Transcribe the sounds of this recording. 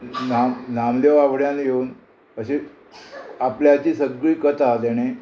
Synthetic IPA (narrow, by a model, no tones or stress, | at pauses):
namnamleʋaʋɽjanjeuːn | əɕe | apljat͡ɕiːsəɡɭiːkət̪ʰat̪ɛɽ̃e